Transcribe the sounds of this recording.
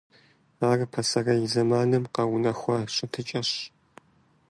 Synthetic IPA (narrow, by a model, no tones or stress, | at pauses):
aːrɨpʰɐsɐrɐjizɐmaːnɨmqɐwʊnɐxʷɐɕʼɪtʰɨt͡ʃʼɐɕ